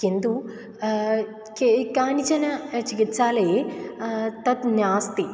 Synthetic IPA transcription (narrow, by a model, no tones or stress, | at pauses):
kind̪u | kekaːnit͡ʃɐnɐt͡ʃikit̪ːsaːleː | t̪ɐt̪naːst̪i